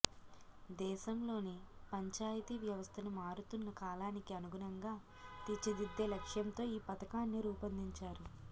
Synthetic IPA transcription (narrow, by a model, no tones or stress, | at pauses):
d̪ɛːʃɐmlo̞ːnipɐɲt͡ʃaːjit̪iʋjɐʋɐst̪ʰɐnumaːɾut̪unːɐkaːlaːnikiɐnuɡunɐŋɡaː | t̪it͡ʃːid̪id̪ːeːlɐkʂjɐnt̪o̞ːiːpɐt̪ɐkaːnːiɾuːpɐnd̪iɲt͡ʃaːɾu